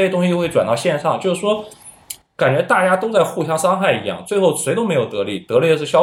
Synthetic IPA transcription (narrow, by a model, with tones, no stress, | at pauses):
t̪ʊ˥ŋɕi˥˧xwe˥˩ɪʈ͡ʂwa˨˩nt̪ɑ˥˧ʊɕjɛ˥˧nʂɑ˥˩ŋt͡ɕjo˥˧ʊʂ̩˥˩ʂwɔ˥ | ka˨˩nt͡ɕɥɛ˧˥t̪a˥˩t͡ɕja˥t̪o˥ʊt͡sa˥˧ɪxu˥˩ɕjɑ˥ŋʂɑ˥ŋxa˥˩ɪḭ˧˥jɑ̰˥˩ŋt͡swe˥˧ɪxo˥˩ʊʂwe˧˥ɪt̪o˥ʊme˧˥ɪjo˨˩ʊt̪ɤ˧˥lḭ˧˥˩t̪ɤ˧˥e˥˧ə˧ʂɻ̩˥˩ɕjɑ˥